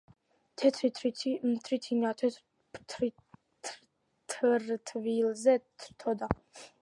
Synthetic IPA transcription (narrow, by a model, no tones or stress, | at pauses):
t̪ʰɛt̪ʰɾit̪ʰɾimt̪ʰɾit̪ʰinat̪ʰɛ | pt̪ʰɾi | t̪ | t̪ʰɾt̪ʰvilzɛt̪ʰɾt̪ʰɔd̪a